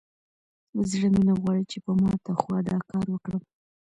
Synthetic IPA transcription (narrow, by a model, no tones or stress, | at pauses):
zɽəminaɣwɑɽit͡ʃepəmɑt̪axwɑd̪ɑkɑɾwəkɽəm